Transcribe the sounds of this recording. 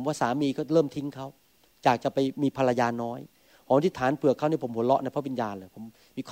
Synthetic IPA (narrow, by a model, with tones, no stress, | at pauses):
mwaː˥˩saː˩˦miː˧kʰa˦˥˩ɾɤː˥˩mt̪ʰi˦ŋkʰa˦˥˩w | t͡ɕaː˨˩k̚t͡ɕa˨˩pa˧jmiː˧pʰa˧ɾa˧jaː˧nɔː˦˥j | hɔː˩˦ŋt̪ʰi˧˥t̪ʰaː˩˦npɯ˨˩əkʰa˥˩niː˥˩pʰo˩˦mpo˨˩˦nlɔ˦˥ʔna˧jpʰa˦˥wi˧njaː˧nlɤː˧˩jpʰo˩˦m | miː˧kʰː